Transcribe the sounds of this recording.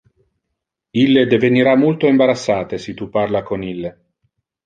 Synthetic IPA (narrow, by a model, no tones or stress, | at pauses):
ilːed̪eveniɾamult̪oimbaɾat̪sːaːt̪esit̪uparlakonilːe